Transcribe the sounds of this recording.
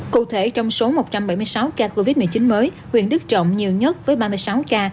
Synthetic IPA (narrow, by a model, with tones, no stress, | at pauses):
kṵ˧˨t̪ʰe˧˩t͡ɕɔ˧wŋ͡mso˨˦mo˨˩t̚t͡ɕa˧mɓa˧˩jm˧jsa˨˦wkaː˧ko˧vi˦˥t̚m˨˧˩t͡ɕï˨˦nməː˨˦j | hwḭ˧˩ənɗɨ˦˥k̚t͡ɕɔ̰˧˨wŋ͡mɲi˨˩əwɲə˦˥t̚vəː˨˦jɓaː˧mɨ˧əjsa˨˦wkaː˧